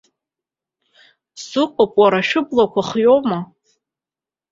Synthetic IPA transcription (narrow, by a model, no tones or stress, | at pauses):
sɨqʷʼakʷʼwaɾaʃᶣʊblakʷʰaχjowma